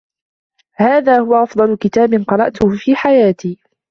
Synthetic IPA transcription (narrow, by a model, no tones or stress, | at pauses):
haːðaːhʊwaʔɑfd̪ˤɑlʊkɪt̪aːbɪnqɑɾˤɑʔt̪ʊfiːħajaːt̪iː